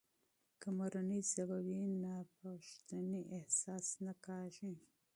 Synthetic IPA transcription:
kəmaɾanizabawinapaʂt̪aniʔehsɑsnakɑʒi

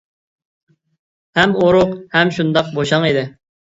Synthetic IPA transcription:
hɛmoɾʊqhɛmʃund̪ɑq̚boʃɑŋid̪ɪ

